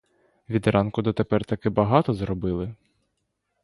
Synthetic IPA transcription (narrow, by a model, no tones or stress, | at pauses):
ʋʲid̪ɾɑnkʊd̪ɔt̪epɛrt̪ɐkɪbɐɦɑt̪ɔzɾɔbɪlˠɪ